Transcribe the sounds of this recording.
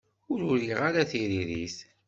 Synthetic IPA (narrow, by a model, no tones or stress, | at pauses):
ʊɾʊɾiʁaɾæθiɾiɾiθ